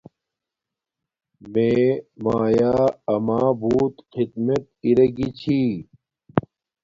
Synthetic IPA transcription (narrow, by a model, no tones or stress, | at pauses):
mẽːmaːjaːɐmaːbuːt̪xid̪mɐt̪̚iɾɐɡit͡ɕʰiː